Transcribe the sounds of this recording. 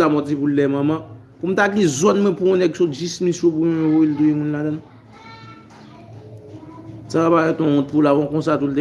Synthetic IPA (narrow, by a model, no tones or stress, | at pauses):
amɔ̃tipullɛmɐ̃mã | pum̩t̪aɡĩzɔnmwɛ̃puɔ̃nɛɡsod͡ʒismĩsopũẽvoilt̪ũjemũnladãn | sabaɛt̪ɔ̃ɔ̃t̪̚pulabɔ̃kõsat̪ult̪e